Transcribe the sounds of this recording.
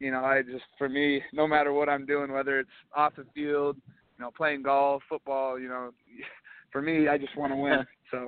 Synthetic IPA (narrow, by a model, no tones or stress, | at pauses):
jɨñoʊaɪd͡ʒʌstfə˞minoʊmæɾə˞wʌɾãɪ̃mdʉɪ̃ŋwɛðə˞ɨtsɔfðɨfilˠd̚ | jɨnoʊpʰl̥eɪɪ̃ŋɡoʊlˠfʊt̚b̥ɔlˠjɨnoʊ | fə˞miaɪd͡ʒʌst̚wɑ̃ñəwɪ̃n | soʊ